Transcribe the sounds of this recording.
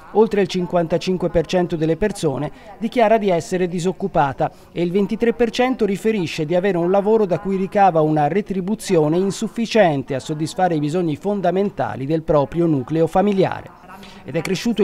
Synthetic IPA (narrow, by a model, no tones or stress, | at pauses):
olt̪ɾeilt͡ʃiŋkwant̪at͡ʃiŋkwepert͡ʃɛnt̪od̪elːepersoːned̪ik̟jaːɾad̪iɛsːeɾed̪izokːupaːt̪a | eilvent̪it̪ɾepːert͡ʃɛnt̪oɾifeɾiʃːed̪iaveːɾeunlavoːɾod̪akːujɾikaːvaunaret̪ɾibut̪sːjoːneinsufːit͡ʃɛnt̪easːod̪ːisfaːɾeibizoɲːifond̪ament̪a̰ːlid̪elpɾɔːpɾjonuːkleofamilja̰ːɾḛ | ḛd̪ɛkːɾeʃːuːt̪o